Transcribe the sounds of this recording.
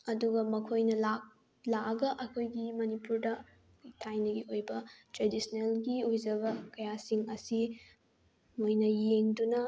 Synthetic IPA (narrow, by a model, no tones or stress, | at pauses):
ɐduɡɐmɐkʰojnɐlak̚ | laɐɡɐʔɐkʰojɡimɐnipuɾdɐ | tʰajnɐɡiojbɐtɾedisnelɡiojd͡ʒɐβɐkɐjasiŋɐsi | mojnɐjeŋdunɐ